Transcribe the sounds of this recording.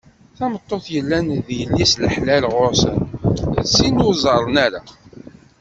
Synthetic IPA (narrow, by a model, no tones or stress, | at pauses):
θæmət̪ˤːoθjəlːænðjəlːisləħlælʁʊɾsənsinʊzˤɑɾˤənæɾa